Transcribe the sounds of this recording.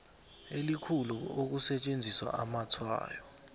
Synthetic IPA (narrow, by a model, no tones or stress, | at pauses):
elikʰuluok̬usɛt͡ʃʼend͡zʱiswa̰ʔamat͡sʰwa̰ːjɔ